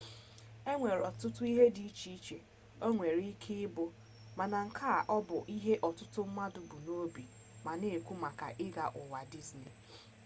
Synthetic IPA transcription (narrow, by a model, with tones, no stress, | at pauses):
e˦ŋʷe˨ɾɔ˨tʊ˦tʊ˦i˦ɦe˦di˨i˦t͡ʃi˨i˦t͡ʃe˨ | o˦ŋʷe˨ɾi˦kʰɪ˦ɪ˦bʊ˦ | ma˨na˨ŋ̩˨kʰa˦˨ʔɔ˦bʊ˨ʔi˦ɦe˦ʔɔ˨tʊ˦tʊ˦m̩˦ma˦dʊ˨bʊ˨no˦bi˨ | ma˨ne˨e˨kʷu˦ma˨ka̰˨ʔɪ˦ɡa̰˨ʔʊ˨wa˨di˦zni˨